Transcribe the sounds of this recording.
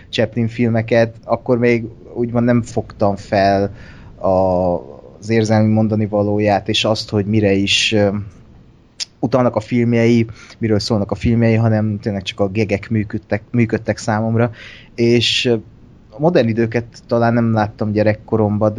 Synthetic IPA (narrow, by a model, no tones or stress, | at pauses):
t͡ʃɛpliɱfilmɛkɛt̪ɒkːo̞rmeːɡ | uɟmonnɛɱfo̞kt̪ɒɱfɛl | ɒ | zeːrzɛlmymo̞nd̪ɒnivɒloːjaːt̪eːʃɒst̪ho̞ɟmiɾɛiʃ | ut̪ɒlnɒkɒfilmjɛjimiɾøːlsoːlnɒkɒfilmjɛjiɦɒnɛmt̪eːnlɛk̚t͡ʃɒ̥kɒɡɛɡɛkmyːkøt̪ːɛkmyːkøt̪ːɛksaːmo̞mrɒ | eːʃ | mo̞d̪ɛrnid̪øːkɛt̪ːɒlaːnːɛmlaːt̪ːɒmɟɛɾɛkːo̞ɾo̞mbɒd̪